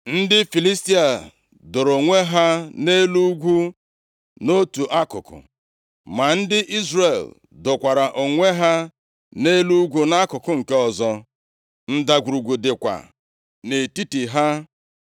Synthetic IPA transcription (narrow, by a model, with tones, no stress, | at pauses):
n̩˦dɪ˦fi˨li˦sti˦a˨ | dʊ˨ɾo˨ŋʷe˦ɦa˦ne˦lu˦ɡʷu˦ | no˦tu˨ʔa˦kʊ̰˨kʊ̰˨ | ma˨n̩˦dɪ˦ʔi˦zre˨l | dʊ˨kʷa˨ɾa˨ʔo˨ŋʷe˦ɦa˦ | ne˦lu˦ɡʷu˦na˦kʊ˨kʊ˦ŋ̩˨ke˦ɔ˨zɔ˦ | n̩˦da˨ɡʷu˨ɾu˨ɡʷu˨dɪ˨kʷa̰˨ | ne˨ti˦ti˨ɦa˦